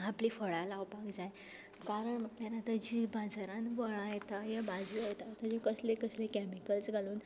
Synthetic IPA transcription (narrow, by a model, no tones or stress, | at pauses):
apliːfəɭalawpakd͡zaj | kaɾəɳm̤əlanat̪əd͡ʑibad͡zaɾãnʋəɭajt̪ajabad͡zuajt̪at̪əd͡ʑikəslekəslekɛmikəlsɡʱaluːn